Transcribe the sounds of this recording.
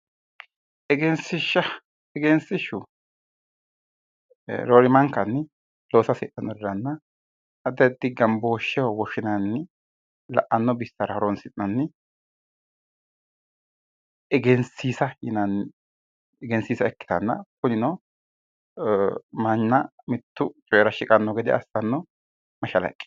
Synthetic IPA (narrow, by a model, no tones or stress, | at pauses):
ʔɛɡɛnsɪʃɐ | ɛɡɛnsɪʃʊ | ɾoɾɪmɐŋkːɐnːɪ | loːsɐsɪ̰ʔɐnːɔd̪ɛɾɐnːɐ | ɐd̪ɐd̪ɪɡɐmboːʃːɛwɔwɔʃɪnɐnːɪ | lɐ̰ʔɐnːɔbɪst̪ːɐɾɐhɔɾɔnsɪʔɐnːɪ | ɛɡɛnsiːsɐjɪnɐn | ɛɡɛnsiːsɐɛkːɪ̥t̪ɐnːɐ̰kʊnɪnɔ | mɐnːɐmɪt̪ːʊt͡ʃʼɔjɛɾɐʃɪkʼɐnːɔɡɛd̪ɛɐsːɐnːɔ | mɐʃɐlɐ̰kʼːɪ̥